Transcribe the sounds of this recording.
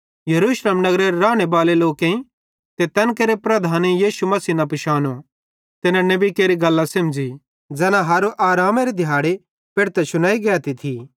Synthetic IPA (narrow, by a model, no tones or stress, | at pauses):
jɐɾuːʃleːmnɐɡɾeɾɾaːɽ̃ebaːleloːkẽĩ | t̪et̪ɛːnkeːɾepɾɐd̪ʱaːnijiːʃumɐsiːnɐpɪʃaːno | t̪ɪnãnɐbikeːɾiɡɐlːãsɐmd͡ʒi | d͡zɛːnãɦaːɾoʔaːɾaːmeɾed̪ʱjaːɽe | pɪɽt̪ɛsʊñaːiɡɛːt̪it̪ʰi